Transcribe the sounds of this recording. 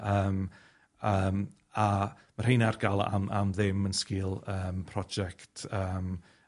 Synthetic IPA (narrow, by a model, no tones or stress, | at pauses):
əːm | əːm | a | mar̥ejnarɡalˠa̰ma̰mðɪmənskɪːlˠəːmpʰrɔd͡ʒɛktʰəːm